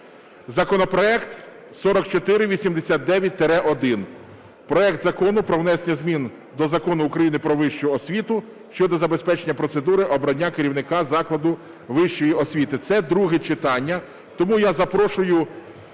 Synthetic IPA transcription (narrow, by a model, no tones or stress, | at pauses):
zɐkɔnɔpɾɔɛkt̪ | sɔɾɔkt͡ʃɔt̪ɪɾɪʋʲisʲimd̪esʲat̪̚d̪ɛʋʲjɐt̚ʲt̪eɾɛʔɔd̪ɪn | pɾɔɛk̚t̪zɐkɔnʊpɾɔʋnɛsnʲɐzʲmʲin | d̪ɔzɐkɔnʊːkɾɐjinɪpɾɔʋɪʃt͡ʃʊɔsʲʋʲit̪ʊ | ʃt͡ʃɔd̪ɔzɐbe̞spɛt͡ʃenʲːɐpɾɔsed̪uɾɪʔɔbɾɐnʲːakeɾʲiwnɪkɑzɑklˠɐd̪ʊ | ʋɪʃt͡ʃɔjiʔɔsʲʋʲit̪ɪt̪sɛd̪ɾuɦɪt͡ʃɪt̪ɑnʲːɐ | t̪ɔmujazɐpɾɔʃʊjʊ